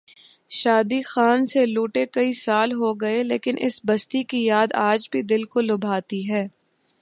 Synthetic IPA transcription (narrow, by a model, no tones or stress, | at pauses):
ʃaːd̪ixaːnseluːʈekɐisaːlɦoɡɐelḛːkɪnʔɪ̰sbɐst̪ikijaːd̪aːd͡ʒbʱid̪ɪlkolʊbʱaːt̪iɦɛː